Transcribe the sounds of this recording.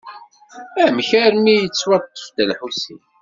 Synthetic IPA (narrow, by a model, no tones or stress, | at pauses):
æmçæɾmijət͡sːwɑt̪ˤːə̥fd̪ælħusin